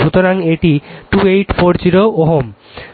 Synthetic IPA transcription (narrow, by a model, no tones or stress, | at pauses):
ut̪oɾaŋeʈiʈuejʈfoɾd͡ʑiɾooɦom